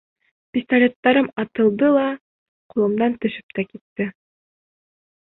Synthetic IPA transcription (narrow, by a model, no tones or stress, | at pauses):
pʲist̪ɐlʲet̪ːɑɾɤmɑt̪ɤ̆lˠd̪ɤlˠɑ | qulˠɤ̆md̪ɑnt̪ɵ̆ʃɘ̥p̚t̪ækit̪ːɘ